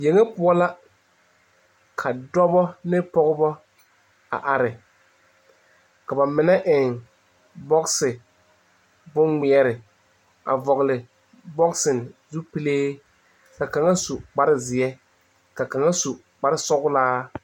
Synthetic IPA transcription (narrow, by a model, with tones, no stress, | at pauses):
je˨ŋe˦pʊ˦ɔ˦la˦ | kʰa˨dɔ˦bɔ˦nɪ˦pɔ˦ɣʊ˦bɔ˦ | a̰˨ʔa˨ɾɪ˨ | ka˨ba˨mɪ˨nɛ˦ʔɪ˨ŋ | bɔ˦ksɪ˨ | bʊ˦nŋɪ˨ɛ˦ɾɪ˨ | a̰˨vɔ˨ɣlɪ˨ | bɔ˦ksɪ˨n˨zu˦pi˦leː˦ | ka˨ka˨ŋa˦su˨k͡pa˦ɾɪ˦zɪ˨ɛ˦ | ka˨ka˨ŋa˦su˨ | k͡pa˦ɾɪ˦sɔ˦ɣʊ˦laː˦